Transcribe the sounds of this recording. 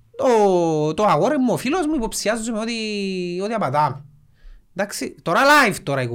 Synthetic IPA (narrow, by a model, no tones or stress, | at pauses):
t̪ot̪oɐɣoɾemːuofilozmuipo̞psiɐzːumeot̪iot̪iɐpɐt̪ɐm | d̪ɐksit̪oɾɐlajvt̪oɾɐiko